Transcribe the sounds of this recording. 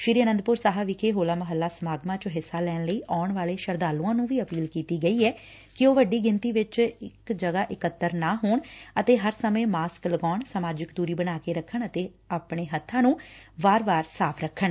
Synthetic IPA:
ʃɾiːɾiːənənd̪̚pʊɾsaːɦaːʋɪkʰeːɦoːlaːməɦəlːaːsəmaːɡmãːt͡ʃɦɪsːaːlɛːnləiːʔaːɳʋaːleːʃəɾd̪aːlũːãːnũːʋiːəpiːlkiːt̪iːɡəiːɛː | kɪoːʋəɖiːɡɪnt̪iːʋɪt͡ʃɪkd͡ʒəɡaːʔɪkət̪ːəɾnaːɦoːɳət̪eːɦəɾsəmẽːmaːskləɡaːɳsmaːd͡ʒɪkd̪uːɾiːbənaːkeːɾəkʰːəɳət̪eː | aːpɳeːɦət̪ʰːãːnũːʋaːɾʋaːɾsaːpʰɾəkʰːəɳ

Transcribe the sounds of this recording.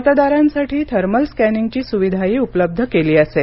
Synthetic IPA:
t̪ad̪aɾãnsaʈʰiːt̪ʰəɾməlskæniŋɡt͡ɕiːsuʋid̪ʱaiːupləb̚d̪ʱəkeliːəse

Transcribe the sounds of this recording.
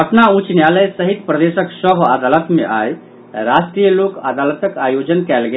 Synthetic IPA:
ɐpnaũt͡ʃnjaləjsɐɦit̪pɾɐd̪eːʃəksəbʱəd̪alət̪mḛ̃ʔaːj | ɾasʈɾiːjəloːkəd̪aːlət̪əkaːjod͡ʒənkɛlɡe

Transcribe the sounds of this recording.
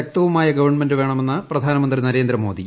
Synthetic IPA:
ɐk̚t̪ɐʋumaːjɐɡɐʋɐɳmendɨʋe̞ːɳɐme̞nːɐprɐd̪ʱaːnɐmɐnd̪rinɐɾe̞ːnd̪ɾɐmo̞ːd̪i

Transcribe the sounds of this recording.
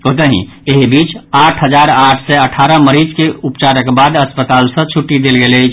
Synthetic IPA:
kot̪əɦḭ̃ | eɦibit͡ʃaʈʰɦəd͡ʒaɾaʈʰsɛəʈʰaɾəməɾid͡ʒkeupt͡ʃaɾəkbad̪əspət̪alsə̃t͡ʃʰuʈːid̪elɡelɛ

